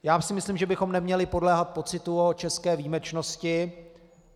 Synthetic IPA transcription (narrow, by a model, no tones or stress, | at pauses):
jaːsɪmɪslimʒɛbɪxo̞mnɛmɲɛlɪpo̞dlɛːɦat̪̚po̞t͡sɪt̪uot͡ʃɛskɛːviːmɛt͡ʃno̞scɪ